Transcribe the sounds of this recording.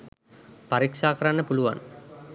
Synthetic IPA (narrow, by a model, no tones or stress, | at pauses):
pɐɾikʂaːkɐɾanːəpuluʋa̰n